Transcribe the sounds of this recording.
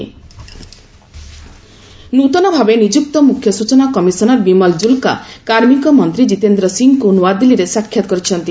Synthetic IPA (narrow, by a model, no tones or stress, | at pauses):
nut̪ɔnɔbʱabenid͡ʒuk̚t̪ɔmukʰːjɔsut͡ʃɔnakɔmisɔnɔɾbimɔld͡ʒulka̰kaɾmikɔmɔnt̪ɾid͡ʒit̪end̪ɾɔsiŋkunuad̪iliɾesakʰjat̪ɔkɔɾit͡ʃʰɔnt̪i